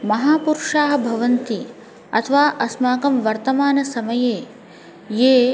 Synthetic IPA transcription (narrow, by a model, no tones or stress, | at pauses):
mɐɦaːpuɾʂaːɦɐ̆bʱɐʋɐnt̪i | ɐ̰t̪ʰɐʋaːʔɐsmaːkɐmʋɐɾt̪ɐmaːnɐsɐmɐjeː | jeː